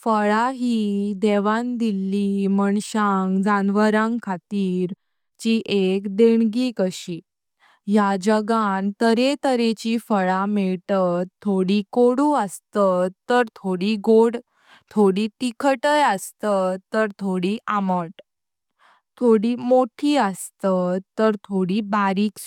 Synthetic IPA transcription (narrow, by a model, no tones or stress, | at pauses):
fəɭaɦid̪eʋãnd̪ilːiməɳɕãŋɡd͡zanʋəɾãŋɡkʰat̪iːɾ | t͡ɕiʔekd̪eɳɡikəɕi | jad͡ʑəɡant̪əɾet̪əɾet͡ɕifəɭamɛɭt̪ət̪ʰːoɽikoɽuəst̪ət̪ːəɾt̪ʰoɽiɡoɽ | t̪ʰoɽit̪ikʰəʈəjəst̪ət̪ːəɾt̪ʰoɽiʔaməʈ | t̪ʰoɽimoʈʰiəst̪ət̪ːəɾt̪ʰoɽibaɾiːks